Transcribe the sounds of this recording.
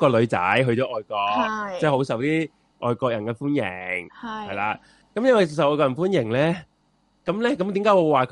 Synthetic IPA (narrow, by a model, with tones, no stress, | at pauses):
kɔː˧lɵ˨˧ɥt͡sɐ̰˨˥jɦɵ˧ɥt͡ʃɔː˨˥ʔɔː˨jkɔː˧k̚t͡sɛː˥˩ho˨˥wsɐ˨wt̪iː˥ | ʔɔː˨jkɔː˧k̚jɐ˨˩nkɛː˧fuː˥njɪ˨˩ŋhɐ˨jlaː˨˧ | kɐ˨˥mjɐ˥nwɐ˨jsɐ˨wʔɔː˧jkɔ˧jɐ˨˩fuː˥njɪ˨˩ŋlɛː˦˥ | kɐ˨˥mlɛː˥kɐ˨˥mt̪iː˨˥mkaː˨˥jwɔ˨˧waː˨kʰ